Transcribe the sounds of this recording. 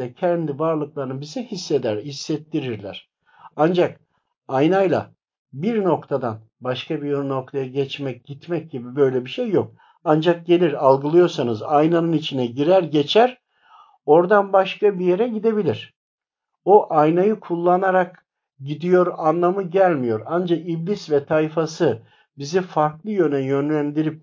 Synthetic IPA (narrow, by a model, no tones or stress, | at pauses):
ɛcʰɛnd̪ivaɾlˠɯklˠaɾnɯbizɛhisːed̪æɾhisːɛt̪ːiɾiɾlʲæ̰ɾ̥ | and͡ʒak | ajnajlˠa̰ | biɾno̞kt̪ʰad̪an | baʃkabijonuno̞k̚t̪ʰajaɟɛt͡ʃmɛc̚ɟit̪mɛc̚ɟibibø̞jlʲɛbiʃe̞jːo̞k̚ | and͡ʒak̚ɟe̞lʲiɾalˠɡɯlˠɯjo̞ɾsanɯzajnanɯnit͡ʃʰinɛɟiɾæɾɟet͡ʃʰæɾ | o̞ɾd̪anbaʃkabije̞ɾɛɟid̪e̞bilʲiɾ̥ | oʔajnajɯkʰulˠːanaɾak | ɟid̪ijo̞ɾanlˠamɯɟælʲmijo̞ɾand͡ʒakiblʲisvɛt̪ʰajfasɯ | bizifaɾklˠɯjø̞nɛjø̞nlʲænd̪iɾip̚